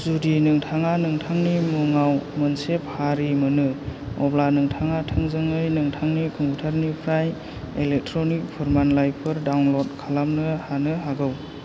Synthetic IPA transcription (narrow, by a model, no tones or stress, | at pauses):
zudinɯŋtʰaŋanɯŋtʰaŋnimuŋawmənsep̚haɾimɯnɯɔblanɯŋtʰaŋatʰɯŋzɯŋɯjnɯŋtʰaŋnikʰuŋutʰaɾnipʰɾaj | elek̚tʰɾɔnik̚pʰuɾmanlajpʰɯɾdawnlɔd̚kʰalamnɯhanɯɦaɡɯw